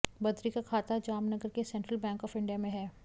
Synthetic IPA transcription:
bɐd̪ɾikakʰaːt̪ad͡ʒaːmnɐɡəɾkesɛ̃ɳʈɾəlbɛ̃ːŋkɔːfɪ̃ɳɖijamẽɦɛː

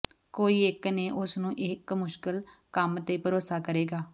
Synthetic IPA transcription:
koːiːɪkneːʔʊsnũːʔɪkmʊʃkəlkəmt̪eːpəɾoːsaːkəɾeːɡaː

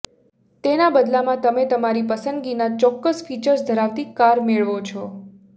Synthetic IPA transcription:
t̪enabəd̪lamãt̪əmet̪əmaɾipəsənd̪ɡinat͡ʃɔkːəsfit͡ʃəɾsd̪ʱəɾaʋt̪ikaɾmeɭʋot͡ʃʰɔ

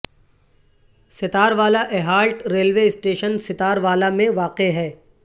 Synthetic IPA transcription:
sɪt̪aːɾʋaːlaʔeːɦaːɾʈɾeːlʋeːɪsʈeːʃənsɪt̪aːɾʋaːlamẽʋaːqeɦɛː

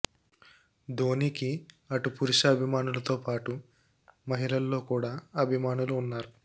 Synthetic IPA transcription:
d̪oːniːki | ɐʈupuɾiʃɐɐbʱimaːnulɐt̪o̞ːpaːʈu | mɐɦilɐlːo̞ːkuːɽaːɐbʱimaːnuluːnːaːɾu

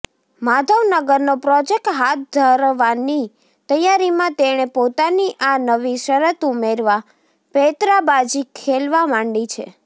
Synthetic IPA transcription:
mad̪ʱəʋnəɡəɾnopɾɔd͡ʒek̚ʈɦat̪̚d̪ʱəɾʋani | t̪əjaɾimãt̪eɽ̃epot̪aniʔanəʋiʃəɾət̪umeɾʋa | pet̪ɾabad͡ʒikʰelʋamãɳɖit͡ʃʰḛ

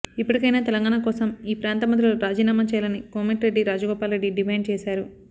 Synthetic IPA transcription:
ipːɐɽikɐjnaːt̪ɛlɐŋɡaːɳakɔːsɐmiːpɾaːnt̪ɐmɐnt̪̬ɾɐluɾaːd͡ʒiːnaːmat͡ʃɛjalɐnikoːmeʈɾe̞ɖːiɾaːd͡ʒɐɡɔːpaːlɾe̞ɖːiɖimɐjɳt͡ʃɛːsaːɾu

